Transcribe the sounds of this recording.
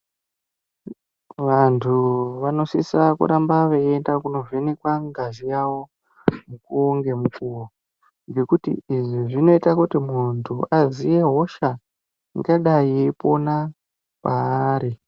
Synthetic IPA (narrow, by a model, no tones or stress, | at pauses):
ʋantʰuʋano̞sisakṵɾambaʋeendakuno̞venekwaŋɡaʒijawo̞ | mukuoŋɡe̞mukuwo | ŋɡe̞kutḭiʐiʐino̞itakutimuntʰuʔazije̞ɦo̞ʃa | iŋɡaɗajeipo̞na | paɾi